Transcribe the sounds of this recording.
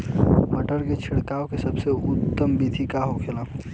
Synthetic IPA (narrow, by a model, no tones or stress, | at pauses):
məʈəɾket͡ʃʰɪɽkaːokesɐbseʊt̪ːəmbiːt̪ʰikaɦokʰelã